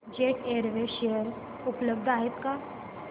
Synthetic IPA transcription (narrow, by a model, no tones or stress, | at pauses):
d͡ʒeːʈeːɾʋeʃeəl | ʊpləb̚d̪ʱaːɦet̪ka